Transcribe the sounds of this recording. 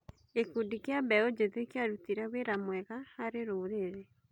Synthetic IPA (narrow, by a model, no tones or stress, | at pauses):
ekudikeabɛod͡ʒeðekeaɾutiɾaweɾamwɛɣaaɾeɾoːɾeɾe